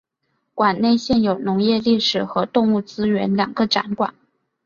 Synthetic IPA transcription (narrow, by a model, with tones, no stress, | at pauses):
kwa˨˩nne˥˧ɪɕjɛ˥˩njo˨˩ʊnʊ˧˥ŋjɛ˥˧li˥˩ʂɻ̩˨˩xɤ˧˥t̪ʊ˥˧ŋu˥˩t͡sɹ̩˥ɥɛ˧˥nljɑ̰˨˩ŋɡə˦ʈ͡ʂa̰˧˥nkwa̰˨˩˦n